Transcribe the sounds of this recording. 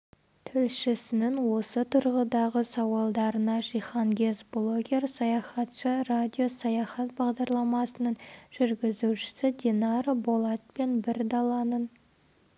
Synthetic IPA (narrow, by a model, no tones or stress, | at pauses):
t̪ʰɪlʃɪsɪnɪŋwo̞sət̪ʰʊɾʁəd̪ɑʁəsɑwɑlˠd̪ɑɾənɑʒijχɑŋɡʲe̞zblˠo̞ɡʲe̞rsɑjɑχɑt̪ʃəradʲijo̞sɑjɑχɑt̪̚bɑʁd̪ɑɾlˠɑmɑsənəɴʒ̥ʏɾɡʲɪzuʃɪ̥sɪd̪ʲenɑɾbolˠɑt̪̚pe̞nbɪɾd̪ɑlˠɑnən